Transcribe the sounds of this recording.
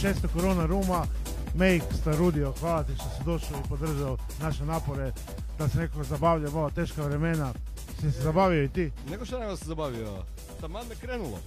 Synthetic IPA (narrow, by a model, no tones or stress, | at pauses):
ʃeːst̪okoɾonaɾuːma | mejkst̪aɾud̪ioxʋaːlat̪iʃt̪osid̪o̞ʃoipo̞d̪r̩ʒao | naʃenaːpoɾe | d̪̥asene̞kakozabaːʋʎamoʋat̪eːʃkaʋɾemena | sisezabaːʋioit̪iːneɡoʃt̪aneʋaszabaʋio̰ | t̪amad̪ekɾeːnulˠo̰